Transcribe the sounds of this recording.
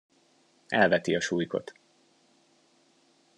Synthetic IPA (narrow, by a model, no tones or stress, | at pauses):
ɛlvɛt̪iɒʃuːjko̞̰t̪